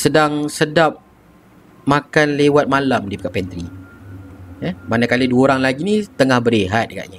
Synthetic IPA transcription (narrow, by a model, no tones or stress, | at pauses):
sədaŋsədap̚ | makanlewat̪̚malamdipikaʔpɛnt̪ɾi | jɛmanakaliduaoɾaŋlaɡinit̪əŋahbəɾeɦat̪̚ka̰ʔɲa